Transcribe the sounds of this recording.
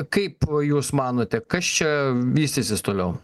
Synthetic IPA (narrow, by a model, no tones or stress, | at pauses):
kɐɪpjuːsmɑːnoːt̪ʲɛkɐst͡ʃʲɛʋʲiːsʲt̪ʲɪsʲɪst̪oːlʲɛʊ